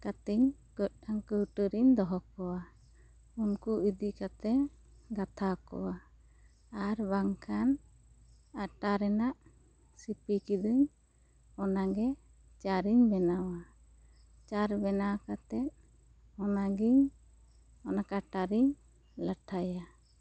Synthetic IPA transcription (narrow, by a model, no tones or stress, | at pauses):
kat̪iɲkət̪̚ˀaŋkəʈəɾiɲd̪ɔɦɔkɔwa | unkuid̪ikat̪ɛ | ɡat̪ʰakɔ̰waː | ɾbaŋkʰan | aʈaɾɛnaʔ | sipikid̪iɲ | ɔnaɡɛ | t͡ʃaɾiɲbɛnawa | t͡ʃaɾbɛnakat̪ɛt̪̚ | ɔnaɡiɲ | ɔnakaʈaɾiɲ | ləʈʰaja